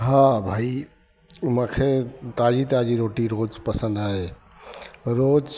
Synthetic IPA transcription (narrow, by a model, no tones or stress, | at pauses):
ɦãbʱai | məkʰet̪ad͡ʒit̪ad͡ʒiɾoʈiɾod͡ʒpəsə̃nd̪ɦae | ɾod͡ʒ